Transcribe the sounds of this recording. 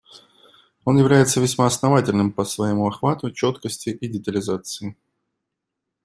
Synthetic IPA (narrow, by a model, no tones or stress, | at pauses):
o̞njɪvlʲæjɪt̪səvʲɪsʲmaɐsnɐvatʲɪlʲnɨmpəsvɐjɪmuɐxvat̪ʊt͡ɕo̞t̪kəsʲtʲɪʔɪdʲɪt̪əlʲɪzat̪sɨɪ